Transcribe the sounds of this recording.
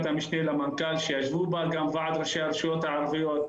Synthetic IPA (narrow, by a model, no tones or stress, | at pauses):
t̪amɪʃnelamankalʃejaʕʃvubaɡambaʕd̪ɾaʃeɾʃjot̪aʕɑɾˤvɪjot̪